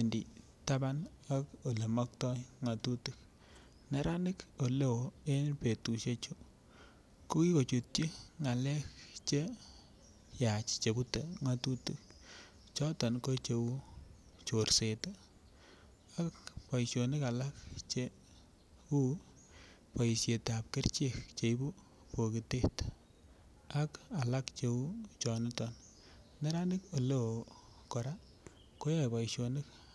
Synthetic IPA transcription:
endi˨ | ta˦ba˦n | a˦ko˨le˨mɔ˦k̚tɔ˦ŋa˨tu˦tu˨k̚ | ne˦ɾa˦nɪ˦ko˨le˦wo˨e˦npe˨tu˨ʃe˦t͡ʃu˦ | ko˦ki˦ko˨t͡ʃu˨t̚t͡ʃi˦ŋa˨lɛ˦kt͡ʃe˦ | ja˨t͡ʃt͡ʃe˨bu˦te˨ŋa˨tu˦tu˨k̚ | t͡ʃɔ˦tɔ˨nko˦t͡ʃe˨wu˦ | t͡ʃo˨rse˨ta˦ | a˦kpa˨iʃjonɪ˦ka˨la˦k̚t͡ʃe | u˦ | pa˨i˨sje˨ta˨p̚ke˦rt͡ʃe˦kt͡ʃe˨i˦bu˦ | po˨ki˨te˦t | a˦ka˨la˦kt͡ʃe˨u˦t͡ʃɔ˨nɪtɔn | ne˦ɾa˦nɪ˦ko˨lo˦ | kɔ˨ɾa˦ | ko˦ja˦pa˨iʃonɪ˦k

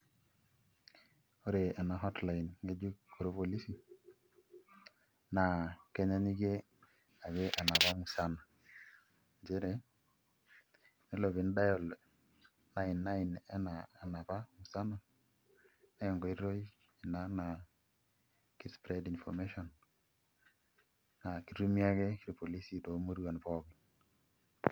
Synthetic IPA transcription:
o˦ɾe˨a˨na˨ɦɔ˦tla˨i˨nŋe˦d͡ʒu˦ko˨ɾo˦po˨li˦si˨ | na˨ke˦ɲa˦ɲi˦ɡe˦ | a˨ɡe˦ʔa˨na˨βa˦ŋu˨sa˦no˨ | d͡ʒe˦ɾe˨ | ne˦lo˨βi˨nda˦jɔ˨l | na˦ɪ˨nːa˦ɪ˨nɛ˦naː˨na˨ba˦ŋu˨sa˦na˨ | nɛ˦jɔ˨ŋɡɔ˨i˦ɾo˦i˦ | i˨na˦na˨ | ki˦spɾɛ˦di˨nfɔ˨me˦ʃɔ˨n | na˨ki˨ru˦mi˦a˦ɡɛ˦ki˦ɾi˨po˨li˦si˨to˨˦mo˦ɾuwa˨npɔ˦bɪ˨˦n

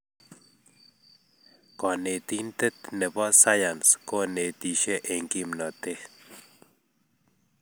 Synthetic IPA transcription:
ka˨ne˨t̪i˦nt̪e˦t̪ne˨bɔ˦sa˦ja˨nsko˦ne˨t̪i˨ʃe˦ʔe˨ŋki˦mna˨t̪e˦

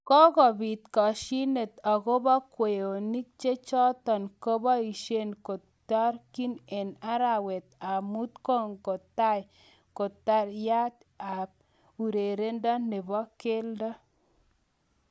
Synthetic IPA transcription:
kɔ˦kɔ˨bi˨t̪kɔ˨ʃi˦ne˨t̪ɔ˨ko˦bɔ˦kwe˨jo˨ni˦k̚t͡ʃe˦t͡ʃɔ˦t̪ɔ˨nko˦bɔ˦i˨ʃe˦nko˨ | tɔ˦ɾki˦ne˨na˦ɾa˨we˨t̪a˨mu˦t̪ko˦ŋko˨ta˦˨j | ko˨ta˦ɾja˦t̪ | a˨ | u˨ɾe˨ɾe˦ndɔ˦ne˨bɔ˦ke˦ldɔ˦

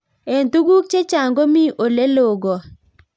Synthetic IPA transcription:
e˨ntu˦ɡu˦k̚t͡ʃe˦t͡ʃa˨ŋɡo˦mi˦ʔo˨le˦lo˨ɡɔ˨

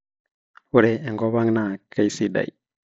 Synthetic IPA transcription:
wu˨ɾe˨ɛ˨ŋɡɔ˦wa˦ŋna˨ka˨jsi˨da̰˨j

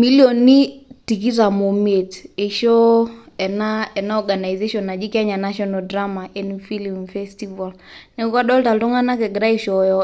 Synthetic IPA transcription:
mi˦ljo˨ni˦ti˨k̬i˦ta˨mo˨me˨te˨ʃɔ˦ɛ˨naɛ˨na˦ɔɡa˨na˨jze˦ʃɔ˨na˨d͡ʒi˦kɛ˦ɲa˨na˦ʃɔ˦na˨ldɾa˦ma˨ʔɛ˨nifi˦li˨mfɛstiva˨l | nɛ˨ka˦ɗɔ˦lta˨ltɔ˦ŋa˦na˦kɛ˨ɡɾa˦i˨ʃɔ˨jɔ

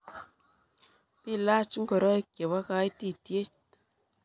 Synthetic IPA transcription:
pi˦˨la˦t͡ʃŋɡɔ˨ɾɔ˦i˦kje˨wa˦ka˧˦jti˦˨tje˦t͡ʃ

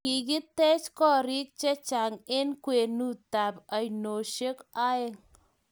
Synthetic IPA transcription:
i˨ki˦tɛ˦t͡ʃkɔ˦˨ɾi˦k̚t͡ʃa˦t͡ʃa˨ŋe˦nkwe˨nu˦ta˨pa˨jno˨ʃe˦ka˦ɪ˦ŋ

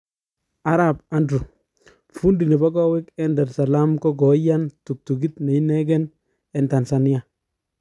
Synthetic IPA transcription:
a˨ɾa˨ba˦ndɾu˨ | fu˦ndi˨ne˨ba˦kɔ˦we˦kɛ˦ndɛ˨ɾsa˨la˦mkɔ˦ɡɔ˨˦ja˦ntu˨k̚tu˨ɡi˦tne˨i˦nɛ˦ɡɛ˦n | ɛ˨nta˨nsa˨ni˦a˦

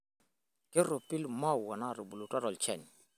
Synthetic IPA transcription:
ke˦ɾo˨pi˦lma˦˨wa˨na˦˨ɾo˨bu˨lu˨ta˦ɾɔ˨lt͡ʃɛ˦˨n˨

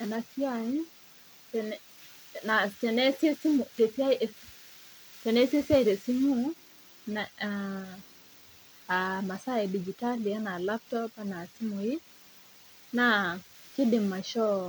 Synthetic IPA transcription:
a˨na˨si˦ai | tɛnɛ | na˨tɛ˨nɛsɛ˦si˦mutɛsia˦jɛ | tɛ˨nɛ˦si˦ɛ˦sia˦i˨ɾɛ˨si˦mu | na | ama˨sa˦ɛ˨di˨d͡ʒi˨ta˦li˨a˦na˨lap̚tɔpana˨si˦mui | na | ki˦di˨mːa˨ʃɔ˦

